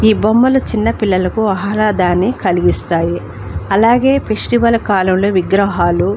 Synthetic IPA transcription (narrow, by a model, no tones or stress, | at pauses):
iːbomːɐlut͡ʃinːɐpilːɐlɐkuɐɦɾaːd̪aːnːikɐliɡist̪aːji | ɐlaːɡe̞ːpʰeʂʈiʋɐlɐkaːlɐmlo̞ːʋiɡɾɐɦaːlu